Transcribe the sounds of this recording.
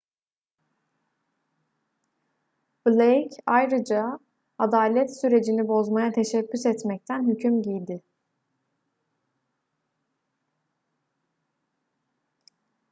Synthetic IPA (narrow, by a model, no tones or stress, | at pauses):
b̥lʲejcʰajɾɯd͡ʒa | ad̪aːlʲɛt̪syɾe̞d͡ʒinibo̞zmajat̪ʰe̞ʃɛbːysɛt̪mɛc̚t̪ʰænɦycʰymɟijd̪ɪ